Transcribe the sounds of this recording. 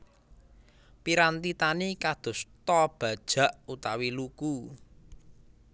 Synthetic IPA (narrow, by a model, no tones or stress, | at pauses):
piɾant̪it̪anikad̪̥o̤st̪ɔb̥ä̤d̥ʒ̥ä̤ʔut̪awiluku